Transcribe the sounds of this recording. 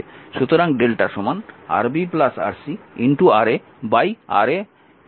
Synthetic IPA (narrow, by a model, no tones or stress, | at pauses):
ʃut̪oɾaŋɖelʈaʃɔmana̰ɾbiplasa̰ɾsiiɳʈuaɾe | baja̰ɾe